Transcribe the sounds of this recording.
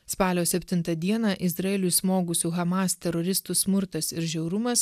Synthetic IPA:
spɑːlʲoːsʲɛpʲt̪ʲɪnt̪ɐd̪ʲiɛnɑːʔɪzɾɐɛlʲʊɪsmoːɡʊsʲuːɣɐmɑːst̪ʲɛɾɔɾʲɪst̪uːsmʊɾt̪ɐsɪɾʒʲɛʊɾʊmɐs

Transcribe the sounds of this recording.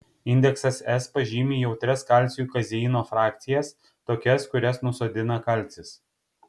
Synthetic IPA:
ɪnʲd̪ʲɛksɐsɛspɐʒʲiːmʲiːjɛʊt̪ʲɾʲɛskɐlʲˑt̪sʲuːkɐzʲɛiːnoːfɾɑːk̚t̪sʲɪjɛs | t̪oːkʲɛskʊɾʲɛsnʊsoːd̪ʲɪnɐkɐˑlʲˑt̪sʲɪs

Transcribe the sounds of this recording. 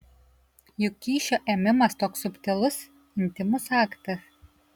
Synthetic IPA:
jʊkʲːiːʃʲoʔɛmʲɪmɐst̪oːksʊpʲt̪ʲɪlˠʊs | ɪnʲt̪ʲɪmusɑːkt̪ɐ

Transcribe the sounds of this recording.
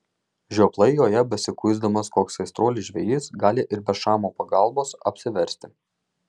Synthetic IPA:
ʒʲoːplˠɐɪjoːjɛbʲɛsʲɪkʊɪzd̪ɐmɐskoːksɐɪst̪ɾoːlʲɪʒʲʋʲɛjiːsɡɑːlʲɪʔɪɾbʲɛʃɑːmoːpɐɡɐˑlˠboːsɐ̰pʲsʲɪʋʲɛɾʲsʲt̪ʲɪ

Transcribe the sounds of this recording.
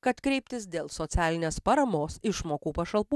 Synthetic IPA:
kɐt̪kɾʲɛɪpʲt̪ʲɪs̬d̪ʲeːlˠsot̪sʲæːlʲɪnʲeːspɐɾɐmoːsɪʃmoːkuːpɐʃɐlˠpuː

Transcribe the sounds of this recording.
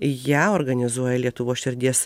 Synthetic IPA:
jæːoɾɡɐnʲɪzuɔjɛlʲiɛt̪ʊʋoːsʃʲɪɾʲd̪ʲiɛs

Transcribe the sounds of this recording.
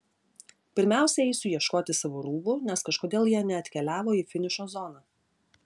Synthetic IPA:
pʲɪɾʲmʲæˑʊsʲɛɛɪsʲʊjiɛʃkoːt̪ʲɪsɑʋoːɾuːbʊnʲɛskɐʃkoːd̪ʲeːlˠjiɛnʲɛɐt̪ʲkʲɛlʲæːʋoːiːfʲɪnʲɪʃoːzɔnɑː

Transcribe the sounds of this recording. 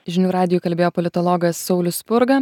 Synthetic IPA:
ʒʲɪnʲuːɾɑːd̪ʲɪjuːˑkɐlʲbʲeːjoːpɔlʲɪt̪ɔlˠɔːɡɐsːɒʊlʲʊspʊɾɡɐ

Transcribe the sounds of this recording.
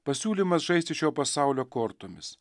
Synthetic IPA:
pɐsʲuːlʲimɐsʒɐɪst̪ʲɪʃʲoːpɐsɑˑʊlʲoːkoːɾt̪oːmʲɪs

